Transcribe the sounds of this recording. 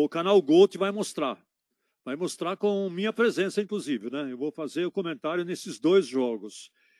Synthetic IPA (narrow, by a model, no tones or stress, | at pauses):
ʊkanawɡowt̪ɪvajmost̪ɾaɾ | vajmost̪ɾaɾkõmĩɲɐpɾezẽsɐĩŋkluzivɪnɛewvofazeɾʊkõmẽnt̪aɾjʊnesɪzd̪ojzʒɔɡʊs